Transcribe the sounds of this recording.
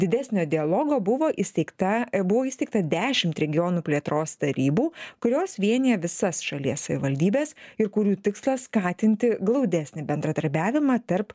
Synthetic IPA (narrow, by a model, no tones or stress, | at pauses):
d̪ʲɪd̪ʲæsʲnʲoːd̪ʲɪɐlˠoːɡoːbʊʋoːʔisʲt̪ʲɛɪkt̪ɐbʊʋoːiːsʲt̪ʲɛɪk̚t̪ɐd̪ʲæːʃʲɪmt̪ɾʲɛɡʲɪjoːnuːpʲlʲiɛt̪ɾoːst̪ɐɾʲiːbuːkʊɾʲoːsʋʲiɛnʲijɛʋʲɪsɐsʃɐlʲiɛssɐʋʲɪʋɐlʲd̪ʲiːbʲeːsɪɾkʊɾʲuːt̪ʲɪkslˠɐsskɑːt̪ʲɪnʲt̪ʲɪɡlˠɐʊd̪ʲɛsʲnʲɪbʲɛnd̪ɾɐd̪ɐɾʲbʲæːʋʲɪmɑt̪ɐɾp